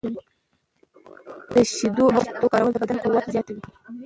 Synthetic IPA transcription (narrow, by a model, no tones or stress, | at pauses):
d̪əʃid̪oɦat̪okɑɾawəld̪əbad̪ankəwat̪zjɑt̪awi